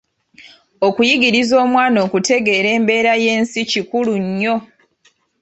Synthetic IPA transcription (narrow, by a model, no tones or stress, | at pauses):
okujiɡiɾizo̞ːmwaːno̞ːkute̞ɡe̞ːɾe̞ːmbe̞ːɾaje̞ːnsicikuluɲːo̞